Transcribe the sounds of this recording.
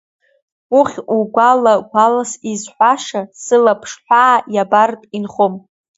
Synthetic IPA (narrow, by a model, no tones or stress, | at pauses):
uχʲuɡʷalaɡʷalasizħʷaʂasɨlapʰʂħʷᶣaːjabartʼinχom